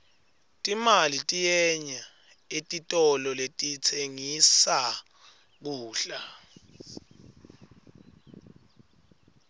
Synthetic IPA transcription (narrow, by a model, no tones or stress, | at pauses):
tʼimalitʼijɛɲa | etʼitʼɔlɔletʼit͡sʰeŋisa | k̬uːɬa